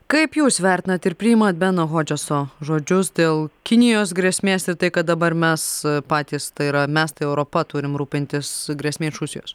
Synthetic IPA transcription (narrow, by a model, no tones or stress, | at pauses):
kɐɪpjuːsʋʲæːˑɾʲt̪ʲɪnɐt̪ɪɾpʲɾʲɪɪmɐt̪̚bʲæːnoɣoːd͡ʒʲosoːʒoːd͡ʒʲʊsd̪ʲeːlˠkʲɪnʲɪjoːs̬ɡɾʲeɛsʲmʲeːsɪɾt̪ɐɪkɐt̪̚d̪ɐbɐɾmʲɛspɑːt̪ʲiːst̪ɐɪɾɐmʲɛst̪ɐɪɛʊɾopɐt̪ʊɾʲɪmɾuːpʲɪnʲt̪ʲɪsɡɾʲeɛsʲmʲeːɪʃɾʊsʲɪjoːs